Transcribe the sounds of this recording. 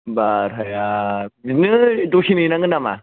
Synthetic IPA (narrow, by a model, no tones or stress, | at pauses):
baɾɦajainɯdosʰinɯjnaŋɡɯnama̰